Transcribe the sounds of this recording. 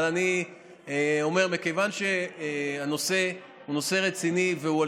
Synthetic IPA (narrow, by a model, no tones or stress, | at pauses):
lani | eo̞me̞ʁmekejvanʃe̞ano̞se̞ | huno̞se̞ʁet͡siniveua